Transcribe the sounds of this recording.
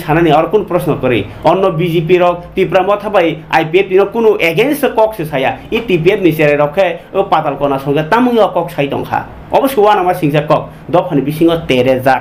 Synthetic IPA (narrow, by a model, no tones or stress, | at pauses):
t͡ʃʰananiɔɾɔkunɔpɾɔsnɔkɔɾḭ | ɔnːɔbizipiɾɔk̚t̪ipɾamɔt̪ʰabaja̰jpiet̪̚inɔkunuʔeɡenskɔksʰesʰajait̪ipiet̪niseɾɛɾɔkʰeopat̪alkɔnasɔŋɡet̪amuŋiɔkɔk̚sʰajt̪ɔ̰ŋkʰa̰ | ɔ̰bɔsjɔwanamasiŋsʰakɔk̚ | d̪ɔpʰanibisiŋɡɔt̪eɾed͡za